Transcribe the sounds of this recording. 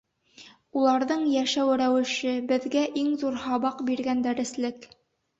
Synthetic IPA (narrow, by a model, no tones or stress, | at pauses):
ulˠɑɾðɤɴjæʃæwɘɾæwɘ̆ʃɘbɘ̆ðɡæʔiŋzuɾhɑbɑqbiɾɡænd̪æɾɘ̆slɘk